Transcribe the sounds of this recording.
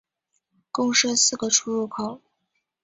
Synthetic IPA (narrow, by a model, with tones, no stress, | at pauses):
kʊ˥ŋʂə˥˧sɹ̩˥˩ɡə˩ʈ͡ʂʰu˥ɻu˥˩kʰo˨˩˦